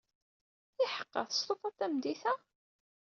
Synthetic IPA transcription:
ɪħə̥qːɑ̰θst̪ˤoθɑt̪ːæmd̪iθæ

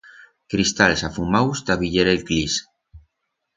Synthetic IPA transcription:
kɾist̪alsafumawst̪aβiʎeɾelklis

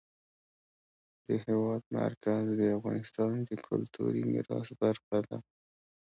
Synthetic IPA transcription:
d̪̥əhewɑd̪ma̰ɾkazd̪əafɣɑnɪst̪ɑnd̪əkʰʊlt̪ṵɾimḭɾɑsbaɾxad̪a̰

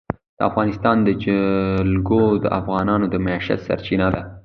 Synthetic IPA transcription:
d̪̥əa̰fɣɑnɪst̪ɑnd̪əd͡ʒlɡod̪əʔafɣɑnɑnod̪əmaɑʃa̰t̪sa̰ɾt͡ʃinad̪a

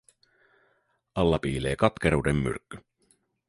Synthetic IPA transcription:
ɑlːɑpiːle̞ːkɑt̪keɾuːdemːy̰rkːy

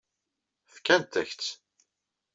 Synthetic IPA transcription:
fkːænt̪æ̰çt͡s

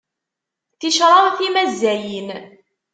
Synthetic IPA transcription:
θiʃɾˤɑθimæzːæjin

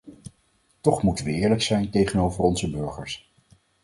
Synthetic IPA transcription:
tɔχmutənʋəɪːɹləksɛjntejχənowvərɔnzəbɵɹχəɹs

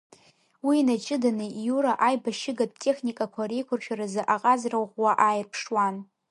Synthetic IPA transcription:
wiːnat͡ʃʼɪdanɨjuɾaʔajbaʃɪɡad̚tʼe̞χnikʼakʷʰaɾejkʷʰʊrt͡ʃʷʰaɾazɨʔaqʼazrawʁwaʔajɪrpʰʂwan

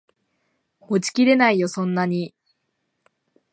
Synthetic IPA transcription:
hot͡ɕi̥kʲiɾe̞naijo̞sõ̞nːaɲ̟i

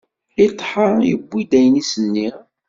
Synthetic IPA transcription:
it̪ˤːħəɾjə̰bːid̪æjnisənːi

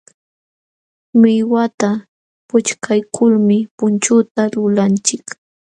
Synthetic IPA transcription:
mɪjwat̪a | pʊt͡ʃkʰajkʰʊlmɪpʊnt͡ʃʊt̪alʊlant͡ʃɪk

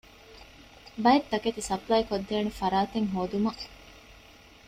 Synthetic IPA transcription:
bɐjet̪ːɐket̪isɐplɐjikod̪ːeːnufɐɾaːt̪eŋɦoːd̪umɐ

